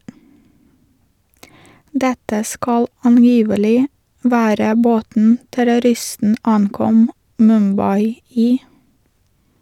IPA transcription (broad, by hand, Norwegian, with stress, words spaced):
ˈdɛtə ˈskɑl ɑnˈjiːʋəlɪ ˈʋæːɾə ˈboːtn̩ tæɾʊˈɾɪstn̩ ˈɑŋˌkɔm mʉmˈbɑɪ ˈiː